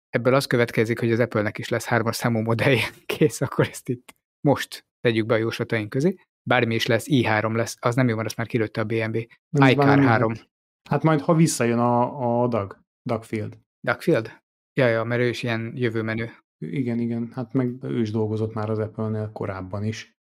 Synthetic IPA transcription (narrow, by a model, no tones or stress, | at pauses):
ɛbːølɒst̪køvɛt̪kɛzikho̞ɟɒzɛpølnɛkiʃlɛshaːrmɒʃsaːmuːmo̞d̪ɛjːɛkʰeːsɒkʰːo̞ɾɛst̪it̪ː | mo̞ʃt̪ːɛɟyɡ̚bɛɒjoːʃɒt̪ɒjiŋkøzeː | baːrmiiʃlɛsːiːɦaːɾo̞mlɛsːɒznɛmjoːmɛɾɛst̪maːrkiløt̪ːɛɒbeːɛmbeː | jkaːrɦaːɾo̞m | hat̪mɒjt̪hɒvisːɒjønɒːd̪ɒɡ | d̪ɒkfild̪ | d̪ɒkfild̪ | jɒjɒmɛɾøːiʃiɛnjøvøːmɛnøː | iɡɛniɡɛnhat̪mɛɡø̰ːiʒd̪o̞lɡo̞zo̞t̪maːɾɒzɛpølneːlko̞̰ɾaːbːɒniʃ